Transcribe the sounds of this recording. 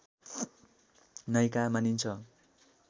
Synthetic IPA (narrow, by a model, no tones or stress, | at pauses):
nʌjkamanint͡sʰʌ